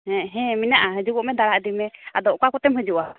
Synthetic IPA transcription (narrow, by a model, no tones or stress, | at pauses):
ɦɛ̃ɦɛ̃minaʔaɦəd͡ʒuɡɔʔmɛd̪aɽaʔd̪imɛad̪ɔʔkakɔt̪ɛmɦəd͡ʒuʔa